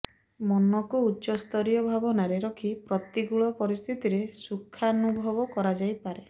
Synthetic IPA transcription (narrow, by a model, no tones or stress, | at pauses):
mɔnɔkuːtːʃɔst̪ʰɔɾijɔbʱabɔnaɾeɾɔkʰipɾɔt̪iɡuɭɔpɔɾist̪ʰit̪iɾesukʰːaɔnubʱɔbɔkɔɾad͡ʒajpaɾe